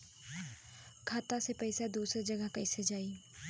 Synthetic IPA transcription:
kʰaːt̪asepɛɪsad̪uːsɾd͡ʒɐɡəɦkɐːɪsed͡ʒaːiː

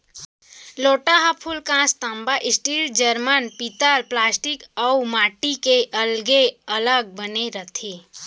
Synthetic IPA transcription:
loːʈaɦəpʰulkãst̪əmbaʔɪsʈild͡ʒəɾmənpit̪əlplaːsʈikəmaʈikeʔəlɡeələɡ̚bəneɾət̪ʰe

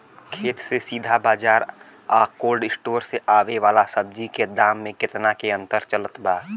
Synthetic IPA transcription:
kʰeːt̪sesiːd̪ʱabaːd͡ʒaːɾ | aːkoːlɖɪsʈoːɾseʔaːʋeʋaːlasəb̚d͡ʒiked̪aːmːẽkɪt̪nakeə̃nt̪əɾt͡ʃələt̪baː

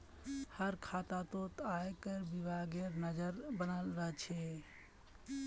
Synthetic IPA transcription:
həɾkʰat̪at̪ot̪ajkəɾbibʱaɡeɾnəd͡ʒəɾbənalɾəɦɛt͡ʃʰɛ

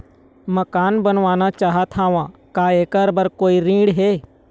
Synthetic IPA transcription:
məkaːnbənʋaːnat͡ʃaːɦat̪ʰaːʋãːkaːeːkəɾbəɾkoːiɾĩːɽɦeː

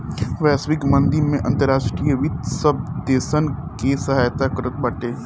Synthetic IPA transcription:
ʋɛːsʋɪkmɐ̃nd̪iɾmẽʔɐ̃nt̪əɾaːʃʈɾijəʋit̪səb̚d̪eːsənkesɐɦaːjt̪akəɾət̪̚bɐʈeː

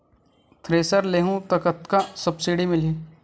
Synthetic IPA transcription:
t̪ʰɾeːsəɾleːɦũt̪ɐkət̪kasɐbsiɖimɪliː

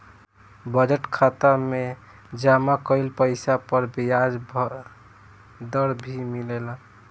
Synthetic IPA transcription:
bəd͡ʒəʈkʰat̪ame | d͡ʒamakəɪlpəɪsapəɾbijad͡ʒb | d̪əɾbʱimilela

